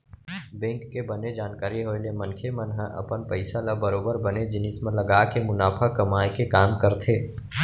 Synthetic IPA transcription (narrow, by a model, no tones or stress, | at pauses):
bɛ̃ːŋkːebɐned͡ʒaːnkaːɾiɦoːelemɐ̃nkʰemənɦə̃ʔə̰pənpəɪsalabəɾoːbəɾbɐned͡ʒɪnɪsmẽlɐɡaːkemʊnaːpʰakɐmaːjekekaːmkəɾt̪ʰeː